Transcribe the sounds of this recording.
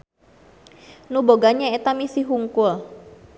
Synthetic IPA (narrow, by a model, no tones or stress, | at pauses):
nuboɡaɲaet̪amisiɦuŋkʊl